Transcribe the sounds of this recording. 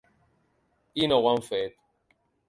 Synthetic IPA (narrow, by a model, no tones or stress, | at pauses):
inowãnfet̪